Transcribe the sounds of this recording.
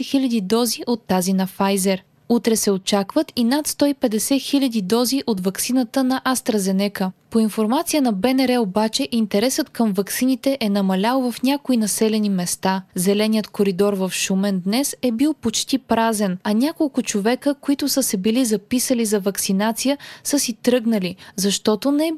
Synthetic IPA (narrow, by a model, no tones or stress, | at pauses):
ɛxilʲɐd̪id̪ɔziʔot̪ːazinɐfajzɛɾ | ut̪ɾɛsɛot͡ʃakvət̪inat̪st̪ɔipɛd̪ɛsɛxilʲɐd̪id̪ɔziʔot̪vɐksinət̪ənɐʔast̪ɾɐzɛnɛkəpoinfoɾmat̪sijənɐbɛnɛɾɛobat͡ʃɛʔint̪ɛɾɛsət̪kəmvɐksinit̪ɛʔɛnɐmɐlʲalˠvɐfnʲakoinɐsɛlɛnimɛst̪azɛlɛnijət̪koɾid̪ɔɾvɐfʃumɛnd̪nɛsɛbilˠpot͡ʃt̪ipɾazɛnɐnʲakolˠkʊt͡ʃovɛkəkoit̪ʊsəsɛbilizɐpisəlizɐvɐksinat̪sijəsɤsit̪ɾɤɡnəlizɐʃt̪ɔt̪onɛ